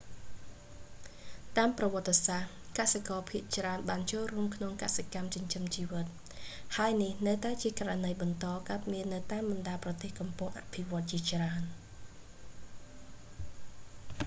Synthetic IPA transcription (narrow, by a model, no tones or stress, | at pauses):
t̪aːmprɑʋɔ̆ət̪ːesah | kasekɑːpʰiəʔt͡ɕraənɓaːnt͡ɕoːlruəmkʰnoŋkasekamt͡ɕuəɲt͡ɕəmt͡ɕiːʋɨt̪̚ | haəjnihnəwt̪aɛt͡ɕiəkaranəjɓɑnt̪ɑːkat̪̚miənːɨwt̪aːmɓɑnɗaːlprɑt̪eːhkɑmpʊŋʔa̰pʰiʋŏət̪̚t͡ɕiət͡ɕraən